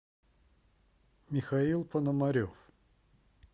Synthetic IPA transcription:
mʲɪxɐilˠpənəmɐɾʲof

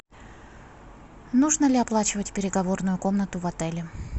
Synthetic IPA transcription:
nuʐnəlʲɪɐplˠat͡ɕɪvətʲpʲɪɾʲɪɡɐvo̞rnʊjʊko̞mnət̪ʊvɐt̪ɛlʲɪ

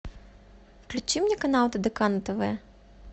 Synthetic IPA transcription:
wklʲʊt͡ʃimnʲikɐnɑw̪ˠt̪ɐd̪ekɑnɐt̪eʋɛ

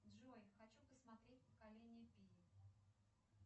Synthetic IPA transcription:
d̪ʐojxɐt͡ɕupəsmɐt̪ɾʲet̚ʲpə̥kalʲenʲɪjəpʲijɪ

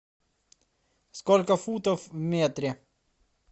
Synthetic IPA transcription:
skɔlkafuːt̪ɔfmeːt̪ɾe

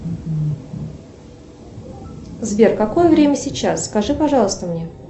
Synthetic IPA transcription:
zbʲerkɐko̞jəvɾʲemʲəsʲɪt͡ɕːasskɐʐɨpɐʐɑlˠəst̪əmnʲe

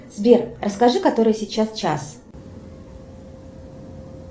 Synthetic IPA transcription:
z̥bʲerrəskɐʐɨkɐt̪o̞ɾɨjəsʲɪt͡ɕːast͡ɕa̰s

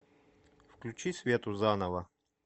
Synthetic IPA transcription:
fklʲut͡ɕisʲvʲet̪ʊzanəvə

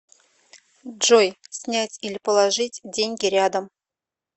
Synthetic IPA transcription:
ʐojsʲnʲætʲilʲɪpəlˠaʐɨtʲdʲenʲɡʲɪɾʲad̪əm

